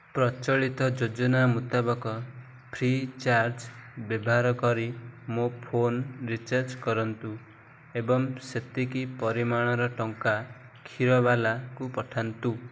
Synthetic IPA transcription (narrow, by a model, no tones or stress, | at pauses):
pɾɔt͡ʃɔɭit̪ɔd͡ʒod͡ʒɔnamut̪abɔkɔ | pʰɾit͡ʃaɾd͡ʒbjebɔɦaɾɔkɔɾimopʰonɾit͡ʃaɾd͡ʒkɔɾɔnt̪u | ebɔŋset̪ikipɔɾimaɽ̃ɔɾɔʈɔŋka | kʰiɾɔβalakupɔʈʰant̪u